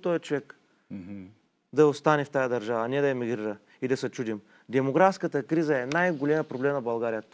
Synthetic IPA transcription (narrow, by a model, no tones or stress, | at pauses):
t̪ɔjɐt͡ʃovɛk | d̪ɐost̪anɛft̪ajəd̪ɐɾʒavənɛd̪ɐjɛmiɡɾiɾə | id̪ɐsɛt͡ʃud̪im | d̪ɛmoɡɾafskət̪əkɾizəɛnajɡolʲɛmjəpɾoblɛmnɐbɐlˠɡaɾijət̪